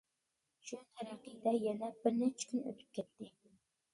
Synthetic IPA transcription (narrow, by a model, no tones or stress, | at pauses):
ʃut̪ʰæɾɑqid̪ɛjɛnɛbɪɾnɛt͡ʃʰkʲynø̰t̪ʰy̥p̚kʲʰɛt̪ːɪ